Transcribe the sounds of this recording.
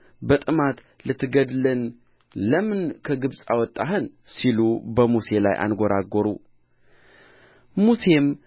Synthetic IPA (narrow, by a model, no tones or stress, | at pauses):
bət̪ʼɨmat̪ | lɨt̪ʰːɡəd̪lɨn | ləmɨnkʰəɡɨβsʼawɔt̪ʼːaɦɨnsilubəmuse̞la̰jʔa̰nɡoɾaɡoɾṵ | muse̞m